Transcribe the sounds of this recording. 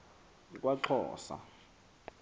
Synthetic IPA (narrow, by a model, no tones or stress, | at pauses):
kʼwaǃʰɔ̰ːsa̰